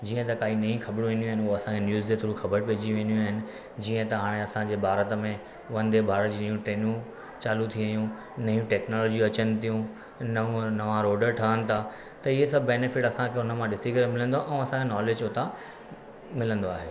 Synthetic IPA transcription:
d͡ʑiːə̃t̪̬ɐkaːinɐĩxʰɐbɽ̃ũʋẽːnd̪juaːɦɪ̃nɦoɐsãkʰenjuːzd͡ʑet̪ʰoːɾũxɐbəɾpeːd͡ʑiʋẽːnd̪ijũaːɦɪnɪ̆ | d͡ʑiːə̃t̪ɐɦaːɽ̃ẽɐsãd͡ʑeːbʱaːɾət̪mẽ | ʋɐ̃nd̪ebʱaːɾəd͡ʑiːnɐjũʈɾeːnũ | t͡ɕaːlut̪ʰiʋjũ | nɐjũʈɛːknoːlɔːd͡ʑiɐt͡ɕənɪ̆t̪ijũ | nɐʋũnɐʋãɾoːɖəɾʈʰaɦənɪ̆t̪ʰa | t̪ɐɪɦesɐbʱbɛːnefɪʈɐsãkʰeʊnə̆mãɗɪsikɐɾemɪlə̃nd̪oaʔɛ̃ɐsãkʰenɔːleːd͡ʑʊt̪a | mɪlə̃nd̪oaːɦeː

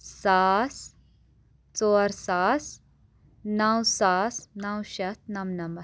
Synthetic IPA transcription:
saːs | t͡soːɾsaːs | nɐwsaːsnɐwʃɐt̪̚nɐmnɐmbɐ

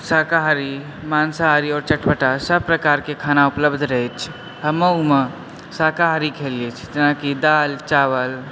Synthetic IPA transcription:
saːkaɦɾi | maːnsaːɾiɔːɾt͡ʃəʈpəʈasəb̚pɾəkaːɾkekʰaːnaʊpləbd̪ʱɾəɦɛt͡ʃʰ | ɦəməumə | saːkaɦɾikʰeliet͡ʃʰi̥t̪enakid̪aːlt͡ʃaʋəl

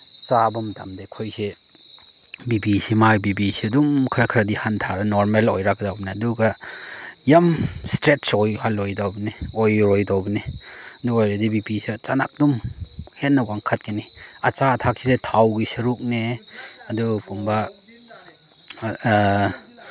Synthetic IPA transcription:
t͡ʃabɐmda̰mdekʰojse | bibisimajbibisiɐdumkʰɐɾɐkʰɾɐdihantʰaɾɐnoɾmelo̰jɾakdawbɐniɐduɡɐ | jamstɾetsojhalojdawbɐniojɾojdawbɐni | ɐduɡojɾadibibisit͡ʃana̰k̚dumhet̚nːɐwaŋkʰat̚kiniɐt͡ʃatʰak̚sisetʰawɡisɐɾuk̚neɐdupumbɐ

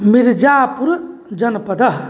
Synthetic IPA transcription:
miɾd͡ʒaːpuɾd͡ʒɐnpɐd̪ɐɦ

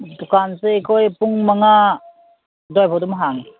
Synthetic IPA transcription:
dukansekɔjpuŋmaŋa | dɔjpʰɔdumɦaŋ

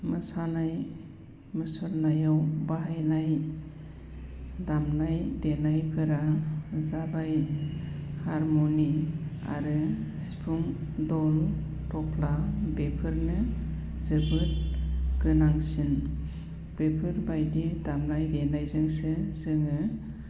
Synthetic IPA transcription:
mɯsanaj | mɯsɔɾnajawbaɦajnaj | damnajdenajpʰɯɾazabaj | haɾmonia̰ɾɯsi̥pʰuŋdɔl | tɔpʰlabepʰɯɾnɯ | zɯbɯt̚ɡ̥ɯnaŋsin | b̥epʰɯɾbajdidamnajdenajzɯŋsɯzɯŋɯ

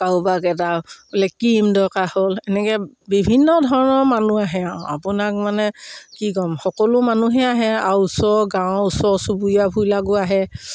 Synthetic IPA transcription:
kawbakɛt̬alɛkimdɔkaholɛnɛkɛbibʱinːɔdʱɔɹɔnɔɹmanuaɦɛaʊ̃apʊnak̚manɛkikɔmxɔkɔlʊmanuɦɛaɦɛaɹusɔɡãʊ̃usɔsubujabʱujlaɡʊaɦɛ

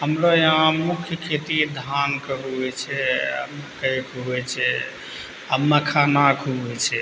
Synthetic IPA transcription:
ɦəmɾoeɦãmukʰjəkʰet̪id̪ʱankəɦuɦɛt͡ʃʰɛə̰mkəjkɦuɛt͡ʃʰɛ | əmːəkʰanakʰuɛt͡ʃʰɛ

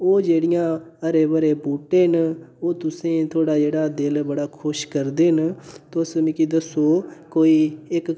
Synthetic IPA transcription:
oːd͡ʒeːɽɪjãːəɾeːbəɾeːpuːʈeːnoːt̪ʊsẽːt̪ʰoːɽaːd͡ʒeːɽaːd̪ɪlbəɽaːkʰʊʃkəɾd̪eːɦnt̪osmĩːkid̪əsoːkoːiːɪk

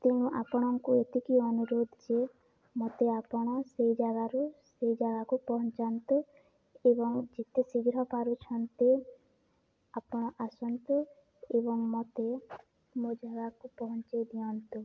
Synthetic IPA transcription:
t̪iñuʔapɔɽ̃ɔŋkuet̪ikiɔnuɾod̪ʱd͡ʒe | mɔt̪eapɔɽ̃ɔsejd͡ʒaɡaɾusejd͡ʒaɡakupɔɦɔnt͡ʃant̪u | ebɔŋd͡ʒit̪esiɡɾɔpaɾut͡ʃʰɔnt̪i | apɔɽ̃ɔʔasɔnt̪u | ebɔŋmɔt̪e | mod͡ʒaɡakupɔɦɔnt͡ʃajd̪ijɔnt̪u

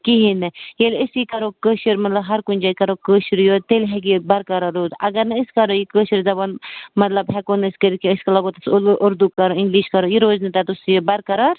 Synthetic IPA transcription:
kiɦinɐjelisikɐɾokəːʃiɾmɐt̪lɐbɦɐɾkunʲd͡ʒaːjkɐɾokəːʃiɾjot̪elɦɛk̬ibɐɾkɐɾɐɾoːzɐ̰ɡɐɾnɐiskɐɾojikəːʃiɾzɐbɐnmɐt̪lɐbɦɛkonskəɾikiəskɐlɐɡot̪ɐsʔʊɾd̪ukɐɾoɪ̃ŋɡliʃkɐɾojiɾoːznɐt̪at̪usjobɐɾkɐɾɐɾ

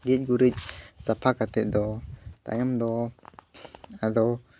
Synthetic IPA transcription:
ɡic̚ɡuɾic̚sapʰakat̪ɛʔd̪ɔt̪a̰jamd̪ɔ | ad̪ɔ

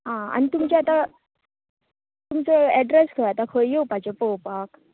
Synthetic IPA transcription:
ɦãa̰nit̪umt͡ɕɛat̪a | t̪umt͡sɔɛɖɾeskʰəɾat̪akʰojjowpat͡ɕɔpowpak

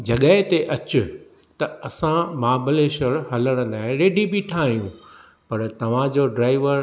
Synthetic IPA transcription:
d͡ʑɐɠəɦɪt̪eʔɐt͡ɕʊ | t̪ɐɐsãmaːbəleʃəɾɦɐləɽ̃ə̃nd̪aːɦẽɾeːɖibiʈʰaːɦijũ | pɐɾt̪ɐʋ̤ãd͡ʑoːɖɾaːɪʋəɾ

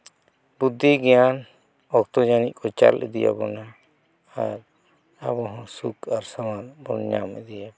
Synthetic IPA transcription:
bud̪ʱːiɡɛjan | ɔkt̪ɔd͡ʒanit̪̚kɔt͡ʃa̰lʔɛ̰d̪ija̰bɔnaː | ɾ | a̰bɔɦɔ̃sukʰaɾsamanbɔ̰nɲa̰mɛ̰d̪ija

